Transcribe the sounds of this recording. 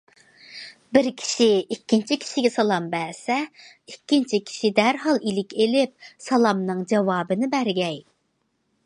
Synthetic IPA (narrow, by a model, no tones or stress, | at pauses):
bɪɾkʲʰi̥ʃiikʲːint͡ʃʰikʲʰi̥ʃiɡʲɛsɑlˠɑmbæːsɛ | ikʲːint͡ʃʰikʲʰi̥ʃid̪æɾɦɑlˠilɪkʲelɪp̚sɑlˠɑmnɨŋd͡ʒɑwɑːbɨnɪbæɾɡʲɛj